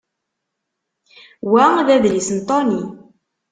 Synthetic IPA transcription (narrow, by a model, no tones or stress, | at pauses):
wæðæðlisnt̪ˤoni